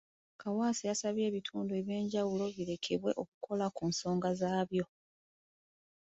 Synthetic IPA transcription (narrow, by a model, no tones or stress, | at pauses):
kawaːsijasaβje̞ːβitʰuːndue̞βje̞ːɲɟawulo̞βiɾe̞kʰe̞βwe̞̰ʔo̞ku̥kʰo̞lakuːnso̞ːŋɡazaːβjo̞